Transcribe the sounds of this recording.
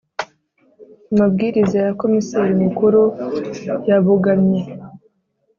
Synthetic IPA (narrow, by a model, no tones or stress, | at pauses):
amabɡiːɾizajako̞miseɾimukuɾu | jaβuɡamɲe̞